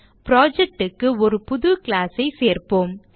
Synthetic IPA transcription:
pɾoːd͡ʒɛk̚ʈɯkːɯɔɾɯpʊðʊkɪlaːsɐɪseːrpoːm

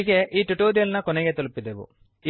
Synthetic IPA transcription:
ikeʔiːʈuʈoːɾijɐlnɐkoneɡeːt̪olupːid̪eʋṵ | i

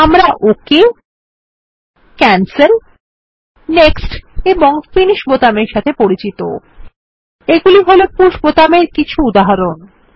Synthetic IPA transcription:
amɾaʔoke | kɛnseɾ | neksʈeboŋfiniʃbot̪ameɾʃat̪ʰepoɾit͡ɕit̪o̰ | eɡuliɦolopuʃbot̪ameɾkit͡ɕʰuud̪aɦaɾon

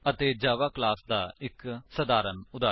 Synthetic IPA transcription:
ət̪eːd͡ʒaːʋaːklaːsd̪aːɪksəd̪aːɾənʊd̪aː

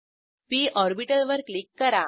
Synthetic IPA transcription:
piːʔɔɾbiʈəlʋəɾklikːəɾa

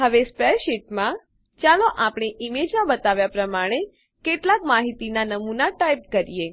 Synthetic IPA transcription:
ɦəʋespɛʃiʈmã | t͡ʃaloʔapɽ̃eʔimed͡ʒmãbət̪aʋjapɾəmaɽ̃e | keʈlakmaɦit̪inanəmunaʈajp̚kəɾije

